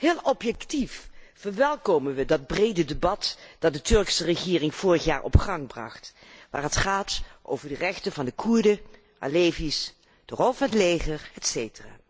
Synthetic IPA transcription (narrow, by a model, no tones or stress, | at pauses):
hɪːlˠɔpjɛktiffəɹʋɛlˠkoːmənʋədɑd̚brejdədebɑtd̥ɑt̚dətɵɹksərəχɪːrɪŋv̥ʊːrəχja̰ːɹʔɔ̰pχɑŋbrɑ̰χt | ʋaːrətχaːtʔo̰wvəɹdərɛχtənvɑndəkʰuɹdə | ʔa̰leːvis | d̥ərɔlˠfnətleːχəɹhɛtseːjtəra̰ː